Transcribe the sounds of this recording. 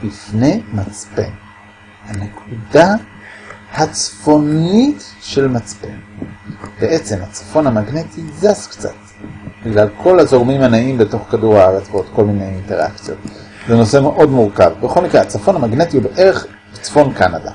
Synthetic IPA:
bifne̞jmat͡spḛn | hane̞kʰuda | hat͡sfo̞nitʃe̞lmat͡spe̞̰n | beʔe̞t͡se̞mhat͡sḁfo̞namaɡnetizaskt͡sa̰t | biɡlalkʰo̞lazo̞ʁmimanaʔimbe̞to̞χkaduʁhaaʁet͡svotko̞lmine̞jinte̞ʁa̰kt͡sijo̞̰t | zeno̞se̞me̞ʔo̞dmuʁka̰vbeχo̞lmikʁeat͡safo̞namaɡne̞tiubeʔe̞ʁeχ | b̥et͡sfo̞nkanada̰

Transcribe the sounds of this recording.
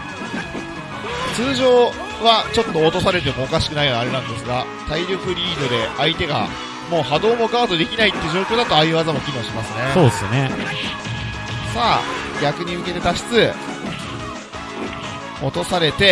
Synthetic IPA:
t͡sɨːʑo̞ː | βat͡ɕo̞t̪ːo̞ːt̪o̞saɾe̞t̪e̞mo̞ːkaɕi̥kɯnaijoɲʲaɾe̞nãnd̪e̞sɨɡa | t̪aiɾʲo̞kɯ̟ɾʲiːd̪o̞d̪e̞ʔait̪e̞ɡa̰ | mo̞ːɦad̪o̞ːmo̞ɡaβat̪od̪e̞kʲinait̪ːeɯ̟d͡ʑo̞ːkʲo̞ːd̪at̪o̞aiβazamo̞kʲinoːɕimasɨne̞soːsne | saːɡʲakɯ̟ɲ̟iɯ̟ke̞t̪e̞t̪aɕi̥t͡sɨ | o̞t̪o̞saɾe̞t̪e̞

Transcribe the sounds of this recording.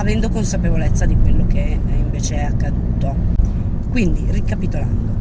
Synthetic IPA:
avɛnd̪okonsapevolet̪sːad̪ikwelːoke | iɱveːt͡ʃeɛakːad̪uːt̪o | kwind̪irikapit̪oland̪o

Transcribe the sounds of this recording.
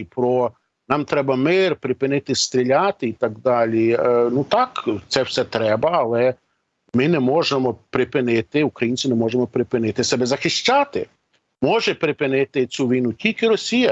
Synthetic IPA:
pɾɔ | nɑmt̪ɾɛbɐmɪrpɾɪpɪnɪt̪ɪst̪ɾʲɪlʲat̪ɪit̪ɐɡd̪ɑlʲinut̪ɑkt̪sɛwsɛt̪ɾɛbɐɐlˠɛ | mɪnɛmɔʒemɔpɾɪpɪnɪt̪ɪukɾɐjinʲt͡sʲɪnɛmɔʒemɔpɾɪpɪnɪt̪ɪsɛbɛzɐxɪʃt͡ʃat̪ɪ | mɔʒɛpɾɪpɪnɪt̪ɪt͡sʲuʋʲijnutʲilʲkɪɾɔsʲijɐ

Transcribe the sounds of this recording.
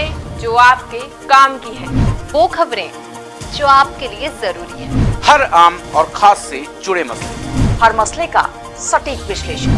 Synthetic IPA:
ẽd͡ʒoːaːp̚ke | kaːmkiɦɛ̃ːʋoːkʰɐbɾẽ | d͡ʒoːaːp̚keliezɐɾuːɾiɦɛ̃ːhɐɾaːmɔːɾkʰaːsːed͡ʒʊɽemɐslehɐɾmɐsleka̰ | sɐʈiːkʋɪʃleːʃən

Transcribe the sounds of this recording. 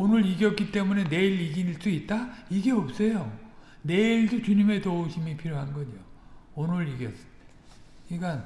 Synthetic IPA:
onɯɾiɡjʌk͈it͈e̞mune̞ne̞ilːiɡiniɭs͈uit̚t͈aiɡe̞ʌp̚s͈ʌjo | ne̞iɭdot͡ɕuɲime̞touɕʰimipʰiɾjoɦanɡʌɲoonɯɾiɡjʌs͈ɯ̥te | iɡan

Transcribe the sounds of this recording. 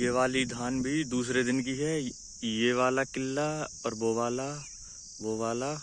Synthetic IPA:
jeʋaːlid̪ʱaːnbʱid̪uːsɾed̪ɪnk̬iɦɛ | jeʋaːlakɪlːaɔːɾboːʋaːla | ʋoːʋaːla

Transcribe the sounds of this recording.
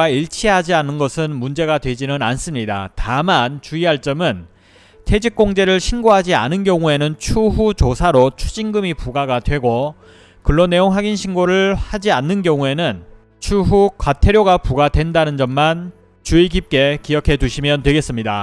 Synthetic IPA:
aiɭt͡ɕʰiɦad͡ʑianɯnɡʌsʰɯnmund͡ʑe̞ɡadwe̞d͡ʑinɯnans͈ɯmɲida̰tamant͡ɕuiaɭt͡ɕ͈ʌmɯn | tʰe̞d͡ʑik̚k͈oŋd͡ʑe̞ɾɯɭɕʰinɡoɦad͡ʑia̰nɯnɡjʌŋue̞nɯnt͡ɕʰuɦut͡ɕosʰaɾot͡ɕʰud͡ʑiŋɡɯmipuɡaɡadwe̞ɡo | kɯɭːonːe̞joŋɦaɡinɕʰinɡoɾɯɭhad͡ʑianːɯnɡjʌŋue̞nɯn | t͡ɕʰuɦukwatʰe̞ɾjoɡapuɡadwe̞ndanɯnd͡ʑʌmːan | t͡ɕuikip̚k͈e̞kiʌkʰe̞duɕʰimjʌntwe̞ɡe̞s͈ɯmɲida

